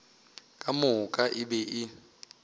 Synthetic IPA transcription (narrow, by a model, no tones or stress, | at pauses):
kʼamʊkʼaʔɪbɛʔɪ